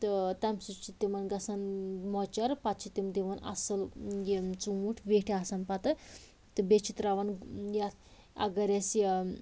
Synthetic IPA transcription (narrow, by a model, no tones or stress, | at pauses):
t̪ɨt̪ɐmsit͡ʃʰit̪imɐnɡɐsɐnmɔt͡ʃɐɾpat̪t͡ʃʰit̪imd̪iʋɐnɐ̰sɐljit͡suuʈʰʋeʈʰeasanpat̪ɨ | t̪ɨbet͡ʃʰit̪ɾaʋɐnjat̪ʰ | ɐ̰ɡɐɾʲasi